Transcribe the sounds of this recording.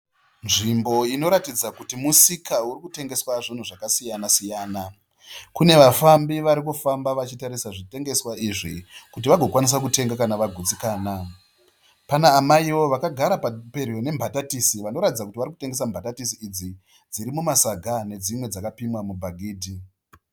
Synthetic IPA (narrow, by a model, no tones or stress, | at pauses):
nʐimbo̞ino̞ɾatid͡zakutimusikʰauɾikute̞ŋɡe̞swaʐin̤uʐakasijanasijaːna | kune̞ʋafambiʋaɾik̬ufambaʋat͡ʃitaɾisaʐite̞ŋɡe̞swaiʐikut̬iʋaɡʱo̞kwanis̬ak̬ute̞ŋɡakanaʋaɡʱud͡zikaːna | panaːmaiwo̞ʋakaɡʱaɾapape̞rijo̞ne̞mbʱatatisiʋano̞ɾatid͡zakutiʋaɾiku̥te̞ŋɡe̞s̬ambʱatatisiːd͡zi | d͡ziɾimumasaɡʱane̞d͡zimwe̞d͡zakapimwamubʱaɡʱiːdʱi